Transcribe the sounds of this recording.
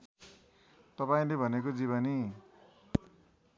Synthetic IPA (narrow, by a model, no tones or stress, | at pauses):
t̪ʌpaĩlebʱʌnekod͡ziβʌni